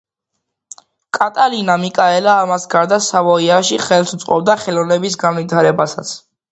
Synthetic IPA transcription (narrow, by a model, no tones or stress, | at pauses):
kʼat̪ʼalinamikʼaɛlaːmasɡaɾd̪asavɔiaʃiχɛlsut̪sʼqʼɔbd̪aχɛlɔnɛbis̬ɡanvit̪ʰaɾɛbasat̪sʰ